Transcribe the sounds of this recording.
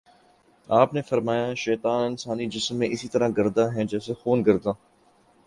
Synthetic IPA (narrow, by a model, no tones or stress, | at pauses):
aːpnefɐɾmaːjaːʃɛːt̪aːnɪnsaːnid͡ʒɪsmːẽːʔɪsit̪əɾãɡɐɾd̪aɦɛ̃d͡ʒɛːsexoːnɡɐɾd̪ãː